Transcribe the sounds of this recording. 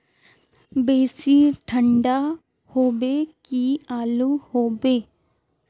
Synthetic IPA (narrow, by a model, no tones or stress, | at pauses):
beːsiːʈʰəɳɖaː | hoːbeːkiaːluːhoːbeː